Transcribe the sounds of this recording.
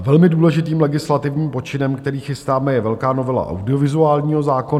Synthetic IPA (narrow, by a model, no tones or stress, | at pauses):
vɛlmɪduːlɛʒɪt̪iːmlɛɡɪslat̪ɪvɲiːmpo̞t͡ʃɪnɛmkt̪ɛɾiːxɪst̪aːmɛjɛvɛlkaːno̞vɛla̰ʔa̰wdɪovɪzuaːlɲiːɦo̞zaːkon